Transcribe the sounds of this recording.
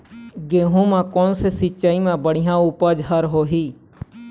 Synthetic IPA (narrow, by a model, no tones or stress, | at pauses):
ɡeːɦũːmãːkoːnseːsɪt͡ʃaːiːmãːbəɽɪjãːuːpaːd͡ʒɦəɾɦoːɦiː